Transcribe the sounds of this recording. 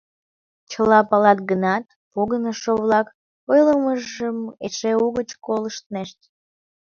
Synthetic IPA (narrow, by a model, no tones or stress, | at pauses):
t͡ɕəlɑpɑlɑt̪ɡənɑt̪̚ | poɣənəʃoβlɑk | ojləməʒəmḛʃeuɣət͡ɕkoləʃt̪neʃt̪̚